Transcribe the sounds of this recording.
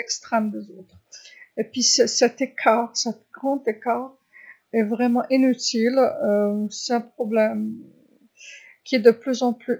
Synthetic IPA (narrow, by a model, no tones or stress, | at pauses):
ɛkst̪χɛmd̪ezoːt̪χepɥisɛsɛt̪ekʰaːʁsɛt̪ɡʁɑ̃t̪ekaʁ | ɛvʁɛmɑ̃ʔinyt̪iløsɛɛ̃pχɔblɛm | kʲiɛd̪əplyzɑ̃ply